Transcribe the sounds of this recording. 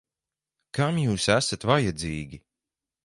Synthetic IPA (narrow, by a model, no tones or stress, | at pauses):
kamjuːsæsat̪vajad̪ziːɡʲi